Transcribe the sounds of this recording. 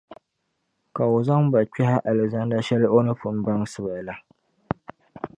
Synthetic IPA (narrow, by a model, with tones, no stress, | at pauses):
ka˨o˨za˦ŋba˨t͡ʃɛ˦ha˦ʔa˨lɨ˨za˦nda˦ʃɛ˦lɪ˦ʔo˦nɨ˦fʊ˨m˦ba˦ŋsɨ˦ba˨la˦